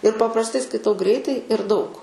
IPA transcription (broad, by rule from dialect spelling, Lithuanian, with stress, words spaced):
ɪr pɐprɐsˈtɐɪ skɐɪˈtɐʊ ˈɡrʲɛɪtɐɪ ɪr dɐʊk